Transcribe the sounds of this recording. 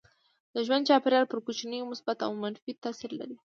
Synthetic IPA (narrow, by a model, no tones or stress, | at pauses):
d̪əʒwand̪̚t͡ʃɑpeɾjɑɾpəɾkot͡ʃinəjomʊsbat̪a̰wmanfit̪asiɾla̰ɾi